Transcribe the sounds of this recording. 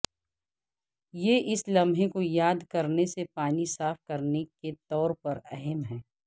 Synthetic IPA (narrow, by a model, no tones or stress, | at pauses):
jeʔɪslɐ̃mʱẽkojaːd̪kɐɾnesepaːnisaːfkɐɾneket̪ɔːɾpɐɾɛɦɛmɦɛː